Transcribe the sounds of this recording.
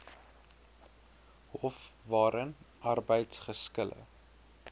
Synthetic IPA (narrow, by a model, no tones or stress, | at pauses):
hɔfvɑːɾənʔɐrbəjtsχəskəlʔə̰